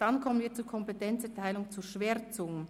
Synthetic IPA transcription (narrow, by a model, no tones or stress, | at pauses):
d̥ankʰɔmənviːt͡suːkʰɔmpetʰɛnt͡sɛɐtʰaɪlʊŋt͡suːʃveːt͡sʊŋən